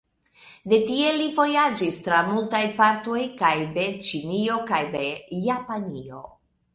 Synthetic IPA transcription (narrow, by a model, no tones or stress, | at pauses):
de̞tie̞livo̞jad͡ʒistɾamultajpaɾto̞jkajbe̞t͡ʃinio̞kajdejapanio̞̰